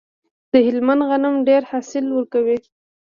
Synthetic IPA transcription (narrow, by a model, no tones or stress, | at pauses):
d̪̥əhɪlmand̪ɣanamɖeɾhɑsɪlwəɾkawi